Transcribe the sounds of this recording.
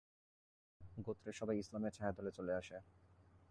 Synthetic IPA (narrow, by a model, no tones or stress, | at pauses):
ɡot̪ːɾeɾʃɔbʱajislameɾt͡ɕʰaɦed̪ɔlet͡ɕoleaʃe